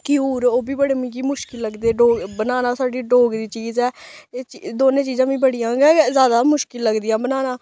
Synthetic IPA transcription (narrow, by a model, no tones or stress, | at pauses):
kiuːɾoːbiːbəɽmĩːkiːmʊʃkɪlːəɡd̪eːɖoːɡbənaːnãːsaːɖiːɖoːɡd̪iːt͡ʃiːzɛːeːt͡ʃd̪oːnẽːt͡ʃiːzãːbĩːbəɽijãːɡɛːzaːd̪aːmʊʃkɪlːəɡd̪ɪjãːbənaːnaː